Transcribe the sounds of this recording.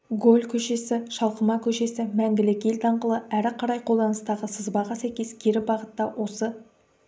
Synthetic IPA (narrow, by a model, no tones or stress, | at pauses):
ɡo̞lʲkʲʰɵʃe̞sɪʃɑlˠqəmɑkʲʰɵʃe̞sɪmæŋɡʲɪlɪkʲe̞lt̪ɑɴqəlˠəæɾɪqʰɑɾɑjqʰolˠd̪ɑnəst̪ɑʁəsəzbɑʁɑsæjkʲe̞skʲʰe̞ɾɪbɑʁət̪ːɑwʔo̞sə